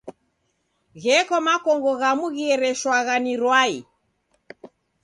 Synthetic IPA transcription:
ɣɛkɔmakɔŋɡɔɣamuɣiɛɾɛʃwaɣaniɾwai

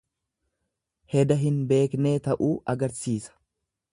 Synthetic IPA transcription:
hɛd̪ɐɦɪnbe̞ːkne̞ːt̪ɐʔuːʔɐɡɐɾsiːsɐ̥

